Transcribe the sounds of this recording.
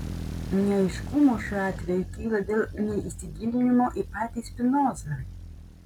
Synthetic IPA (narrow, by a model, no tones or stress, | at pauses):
nʲɛɐɪʃkʊmoːʃʲuːɑːt̪ʲʋʲɛjʊkʲiːlˠɐd̪ʲeːlˠnʲɛisʲɪɡʲiːlʲɪnʲɪmoːʔipɑːt̪ʲiːspʲɪnoːzɐ